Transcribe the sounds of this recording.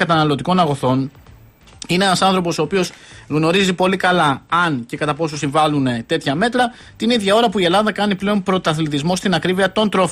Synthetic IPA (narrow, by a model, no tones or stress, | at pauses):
ɐt̪ɐnɐlo̞t̪iko̞nɐɣo̞θo̞n | ine̞enɐsɐnθɾo̞po̞so̞ːpio̞sɣno̞ɾizipo̞likɐlɐːnce̞kɐt̪ɐpo̞sosiɱvɐlune̞t̪e̞t̪çɐme̞t̪ɾɐ | t̪iniðʝɐo̞ɾɐpuie̞lɐðɐkɐniple̞o̞npɾo̞t̪ɐθliðizmo̞st̪inɐkɾiviɐt̪o̞nt̪ɾo̞f